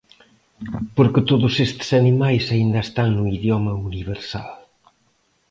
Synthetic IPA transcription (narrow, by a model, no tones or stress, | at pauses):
poɾket̪oðusest̪sɐnimajsɐind̪aest̪aŋnuiðjɔmɐuniβeɾsa̰l